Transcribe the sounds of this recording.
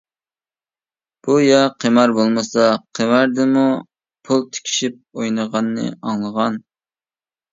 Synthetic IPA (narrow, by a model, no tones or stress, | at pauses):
b̥ujɑqʰemɑɾbolˠmɨsɑqʰemɑɾd̪ɪmu | pʰulˠt̪ʰe̥kʲʰi̥ʃip̚ojnəʁɑnːɨ̰ɑŋlˠəʁɑn